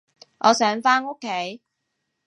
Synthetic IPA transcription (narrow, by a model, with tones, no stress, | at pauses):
ʔɔː˨˧sœː˨˥ŋfaː˥no˥kʰːe˨˥j